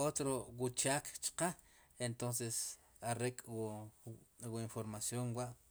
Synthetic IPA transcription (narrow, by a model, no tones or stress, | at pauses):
ot̪ɾowut͡ʃaːkt͡ʃqa | ent̪onses | aɾekʼw | wuinfoɾmasjoŋwaʔ